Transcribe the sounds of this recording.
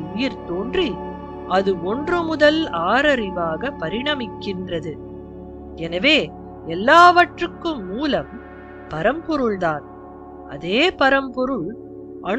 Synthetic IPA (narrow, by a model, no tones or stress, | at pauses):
ʊjɪɾt̪oːndri | ʔɐðɯɔndrɯmʊðɐlaːɾɐɾɪʋaːɣɐpɐɾɪɳɐmɪkːɪndrɐðɯ | ɛnɐʋeː | ɛlːaːʋɐʈrɯkːɯmːuːlɐm | pɐɾɐmpɔɾɯɭðaːn | ɐ̰ðeːpɐɾɐmpɔɾɯɭ | ʔɐɳ